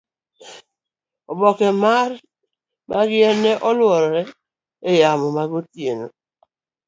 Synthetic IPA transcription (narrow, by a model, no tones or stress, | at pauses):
ɔbɔkɛmar | mʔaɡɪɛnɛʔɔlwɔɾɔɾɛ | ejamɔmaɡotjeno